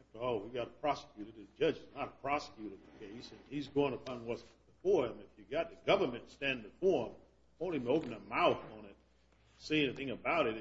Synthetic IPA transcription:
æftə˞ɔlˠwiɡɑɾəpʰɹ̥ɑsə̥kʰj̥ʉɾɨd̚ɨd͡ʒʌd͡ʒɨznəɾəpʰɹ̥ɑsə̥kʰj̥ʉɾɨd̪̚ðɨkʰeɪsɨ̃nizɡoʊɪ̃ŋəpʰɑ̃nwʌtsb̥ɨfɔɹɪ̃mɨfjɨɡɑt̪̚ðɨɡʌvə˞mɨ̃ntstæ̃nbɨfɔɹɪ̃m | õʊ̃niboʊpɨ̃n̩əmaʊθn̩ɪt̚ | seɪɛniθɪ̃ŋɨbaʊɾɨt

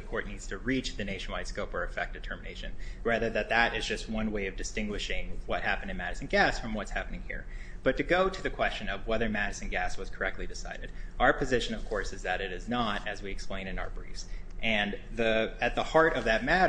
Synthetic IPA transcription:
ɨkʰɔɹtⁿnidz̥tʰɨɹit͡ʃðɨneɪʃɨn̩waɪtskoʊpə˞ɨfɛk̚tɨtʰɜ˞mɨneɪʃɨ̰̃nɹæðə˞ðɨt̪̚ðɨɾɪzd͡ʒʌst̚wʌ̃nweɪʌvdɨstɪ̃ŋɡwɨʃɪ̃ŋwʌt̚hæpɨ̃n̩dɨ̃nmæɾɨsɨ̃n̩ɡæsfɹʌ̃mwʌtshæpənɪ̃ŋhḭɹb̥ʌtɨɡoʊɾɨðɨkʰw̥ɛst͡ʃɨ̃nʌvwɛðə˞mæɾɨsɨ̃n̩ɡæswʌz̥kʰə˞ɛk̚tˡlidɨsa̰ɪɾɨdaʊə˞pʰɨzɪʃɨ̃nʌv̥kʰɔɹsɨzðɨɾɨɾɨznəɾɨzwiɨksplẽɪ̃ñɨ̃na̰ʊə˞bɹḭz̥ʔɨ̃nðɨɨt̪̚ðəhɑɹɾʌvðɨt̚mæɾ

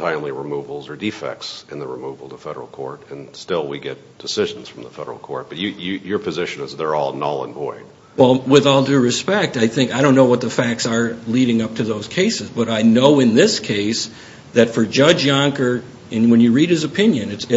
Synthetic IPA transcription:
tʰãɪ̃nliɹɨmuvl̩ˠzə˞difɛ̰k̚tsɨ̃nðɨɹɨmuvl̩ˠtʰəfɛɾə̰˞l̩ˠkʰɔ̰ɹɾɨ̃nstɪlˠwiɡɛt̚d̥ɨsɪʒ̃n̩z̥fɹʌ̃mðəfɛ̰ɾə˞l̩ˠkʰɔ̰ɹt̚b̥ʌt͡ʃɨjɨjə˞pʰɨzɪʃɨ̃nɨzðə˞ɔ̰lˠnɑ̰lˠə̰̃nbɔ̰ɪd̥̚ | wɛlˠwɪðɔlˠdʉɹɨspɛk̚taɪθɪ̃ŋkaɪɾõʊ̃nːoʊwʌt̪̚ðɨfæk̚tsə˞liɾɪ̃ŋʌp̚tʰɨðoʊz̥kʰeɪsɨzbʌɾaɪnoʊɨ̃nðɪskʰeɪs | ðɨtfə˞d͡ʒʌd͡ʒjɑ̃ŋkə˞ | ɨ̃nwə̃njɨɹiɾ̚ɨzɨpʰɪ̃njɨ̃nɨt

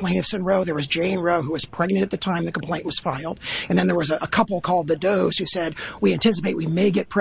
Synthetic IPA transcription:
lẽɪ̃nʌv̥sɨ̃nɹoʊðə˞wʌzd͡ʒẽɪ̃nɹoʊɦuwʌz̥pʰɹ̥ɛɡ̚nɨ̃ñtɨt̪̚ðɨtʰãɪ̃mðɨkʰm̩pʰl̥ẽɪ̃nʔwʌz̥faɪlˠdɨ̃nðɨ̃nðə˞wʌzɨʔəkʰʌpl̩ˠkʰɔlˠd̪̚ðɨdoʊz̥hʉsɛd̚wiæ̃ntʰɪs̬əpeɪʔ̚wimeɪɡɛt̚pʰɹ̥

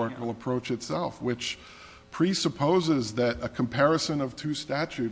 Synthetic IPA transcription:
ɹɨkl̩ˠəpʰɹ̥oʊt͡ʃɨtsɛlˠfwɪt͡ʃ | pʰɹ̥isəpʰoʊzɪzðɨɾɨkʰm̩pʰɛɹɨsɨ̃nʌv̥tʰʉstæt͡ʃʉ

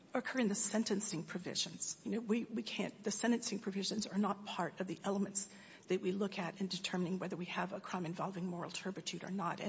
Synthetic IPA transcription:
əɨkʰɜ˞ɨ̃nðɨsɛ̃ntɨ̃nsɪ̃ŋpʰɹ̥ɨvɪ̰ʒɨ̃nz̥jɨnoʊwiwikʰæ̰̃nðɨsɛ̃ɾtɨ̃nsɪ̃ŋpʰɹ̥ɨvɪʒɨ̃nzə˞nət̚pʰɑɹɾʌvðiʔɛlˠəmɨ̃nts | ðɨʔ̚wilʊkʰɨɾɨ̃ndɨtʰɜ˞mɨnɪ̃ŋwɛðə˞wiəvəkʰɹ̥ãɪ̃mɨ̃ɱvɑlˠvɪ̃ŋmɔɹl̩ˠtʰɜ˞bɨtʰʉɾə̰˞nəɾɨ̃

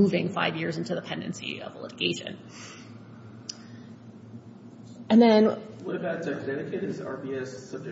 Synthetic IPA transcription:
uvɪ̃ŋfa̰ɪvjɪɹzɪ̃ntʉðəpʰɛ̃ndɨ̰̃nsḭʌ̰vəlɪ̰ɾɨɡ̥eɪʃɨ̰̃n | ɨ̃nðɨ̃nwʌɾɨvɨt̚d̥ɛ̃zɛɾɨkʰeɪɾɨsɑ̰ɹbiɛsʌb̚d͡ʒ

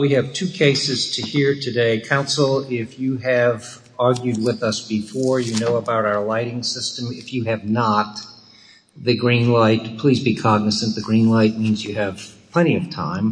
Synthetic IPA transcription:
wiɨv̥tʰʉkʰeɪsɨz̥tʰɨhiɹtʰɨdeɪkʰãʊ̃nsl̩ˠɪfjɨɨv | ɑɹɡjʉd̚wɪðʌsb̥ɨfɔɹjɨnoʊəbaʊɾaʊə˞laɪɾɪ̃ŋsɪstə̃mɪfjɨɨvnət̪̚ | ðɨɡɹĩnlaɪt̚pʰl̥izbikʰɑɡ̚nɨsɨ̃nðɨɡɹĩnlaɪt̚mĩnzjɨːv̥pʰl̥ɛ̃ɾ̃iʌv̥tʰã̰ɪ̃m

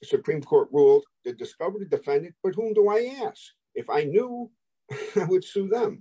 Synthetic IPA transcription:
sɨpʰɹ̥ĩmkʰɔɹt̚ɹulˠtɨdɨskʌvə˞ɨdɨfɛ̃ndɨ̃nb̥ʌt̚ɦũmdəaɪæsk̚ | ɨfaɪnju | aɪwɨd̥suðə̃m

